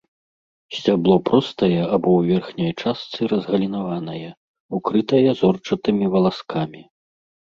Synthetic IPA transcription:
sʲt͡sʲablˠɔpɾɔst̪ɐjɛabɔwvʲɛrxnʲɐjt͡ʂast̪sɨɾɐzɣɐlʲinavan̪ɐjɛ | ukɾɨt̪ɐjɐzɔrt͡ʂɐt̪ɨmʲivɐlˠaskʰamʲi

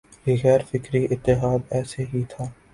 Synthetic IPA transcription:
jiɣɛːɾfɪkɾiʔɪt̪ːɪɦaːd̪ɛːseɦit̪ʰaː

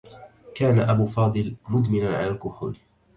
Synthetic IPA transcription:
kaːnaʔabuːfɑːd̪ˤɨlmʊd̪mɪnanʕa̰lalkʊħʊ̰l

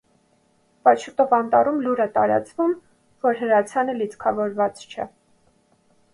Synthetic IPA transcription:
pɑt͡ʃʰut̪ɔvɑnt̪ɑrumluɾət̪ɑ̰ɾɑ̰t͡svum | vɔɾɦəɾɑt͡sʰjɑnəlit͡skʰɑvɔɾvɑt͡st͡ʃʰɛ̰

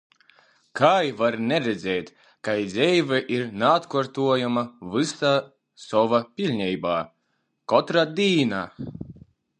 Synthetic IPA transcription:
kajvaɾnʲɛɾɛd̪zʲɛːt̪ | kajd̪zʲɛjvɛʔiɾnaːt̪kɔɾt̪uɔjamavɨsaː | sɔvapʲilʲɲʲɛjbaː | kɔt̪ɾad̪ʲiːnaː

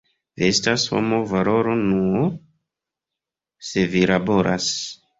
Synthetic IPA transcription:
viestasho̰movalo̞ɾo̞nuo | se̞vilabo̞ɾʔa̰s

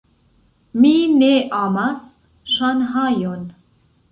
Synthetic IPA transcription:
mineʔamas | ʃanɦajon

